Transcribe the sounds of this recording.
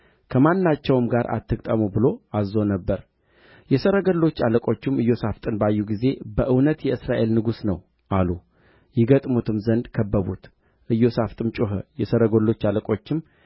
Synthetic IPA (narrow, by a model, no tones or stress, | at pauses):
kʰəmanːat͡ʃːɛwɨmɡaɾʔa̰t̪ːɨkʼt̪ʼəmubɨlo̞azːo̞nəbːəɾ | jɛsəɾəɡəlːo̞t͡ʃːaləkʼo̞t͡ʃːɪmɨjːo̞saft̪ʼɨnbajːuɡize̞bəʔɨwnət̪jɛɨsɾaʔe̞lnɨɡusnəw | ʔalu | jɪɡət̪ʼmut̪ʰɨmzənd̪kʰəbːəβut̪ | ʔɨjːo̞saft̪ʼɨmt͡ʃʼoɦə̰jɛsəɾəɡolːo̞t͡ʃːaləkʼo̞t͡ʃːɪm